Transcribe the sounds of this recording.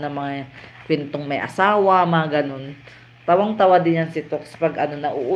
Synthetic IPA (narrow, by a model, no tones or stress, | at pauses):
nɐŋmɐŋakwɛnt̪oŋmɐjʔɐ̰saːwɐmɐaɡɐno̞n | t̪awaŋt̪ɐwad̪ɪnjansɪt̪okspɐɡʔɐnonɐʔʊʔ